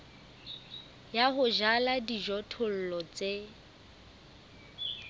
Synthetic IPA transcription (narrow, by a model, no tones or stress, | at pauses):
jaɦʊʒaladiʒɔtʰʊl̩lɔt͡sʼe